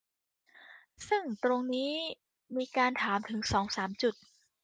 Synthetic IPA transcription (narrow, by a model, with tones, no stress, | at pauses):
sɯ˥˩ŋt̪ɾo˧ŋniː˦˥ | miː˧kaː˧nt̪ʰaː˩˦mt̪ʰɯ˩˦ŋsɔː˩˦ŋsaː˩˦mt͡ɕu˨˩t̪̚